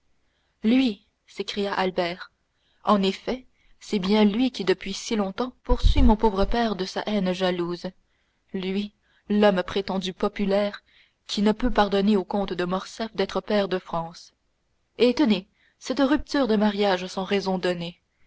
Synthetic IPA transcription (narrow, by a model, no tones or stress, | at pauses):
lɥi | sekχijaʔalbɛːʁ | ɑ̃nefɛ | sɛbjɛ̃lɥikʲid̪əpɥisilɔ̃t̪ɑ̃puʁsɥimɔ̃povʁəpɛːʁd̪əsa̰ʔɛnʒaluːz | lɥi | lɔmpχet̪ɑ̃d̪ypɔpylɛːʁ | kʲʰinəpøpaʁd̪ɔneokɔ̃t̪d̪əmɔʁsɛfd̪ɛt̪χəpɛːʁd̪əfχɑ̃s | et̪əne | sɛt̪ʁyp̚t̪yːʁd̪əmaʁjaʒsɑ̃ʁezɔ̃d̪ɔne